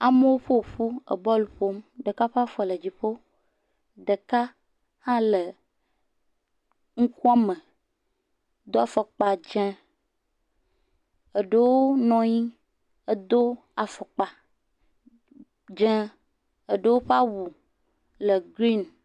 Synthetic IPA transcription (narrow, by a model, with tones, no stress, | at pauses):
a˨mə˦wo˦ɸo˦˨ɸu˦ə̰˨bɔ˦lu˨ɸo˦mɖə˨ka˦ɸa˦fɔ˦˨lə˨d͡ʑi˨ɸo˦ | ɖə˨ka˦ | hã˦lə˨ | ŋ̩˦ku˦a˦mə̃˨˦ | d̪o˦a˨fɔ˨k͡pa˨d͡ʒɛ̃˦ | ə˨ɖə˦wo˦nɔ̃˨ɲi˦ | ə˦d̪o˦ | a˨fɔ˨k͡pa˨ | d͡ʒɛ̃˦ | ə˨ɖə˦wo˦ɸa˦wu˨ | lə˨ɡɾi˦n